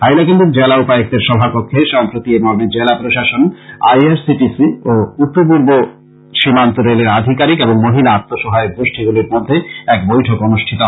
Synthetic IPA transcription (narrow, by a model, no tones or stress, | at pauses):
ɦajlakend̪eɾd͡ʑelaupaok̚d̪eɾʃɔbʱapokʰːeʃampɾot̪iemɔɾmed͡ʑelapɾoʃaʃonajaɾsiʈisioupːopuɾbo | ʃimant̪oɾeleɾad̪ʱikaɾikeboŋmoɦilaat̪ːoʃɔɦaeok̚d̪ɾoʃʈʰiɡuliɾmod̪ʱːeɛkbojʈʰokonuʃʈʰit̪o